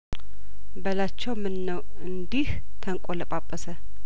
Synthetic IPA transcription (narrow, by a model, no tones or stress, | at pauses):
bəlat͡ʃːɛwmɨnːəw | ɨnd̪ih | t̪ʰəŋkʷʼoləpʼapʼːəsə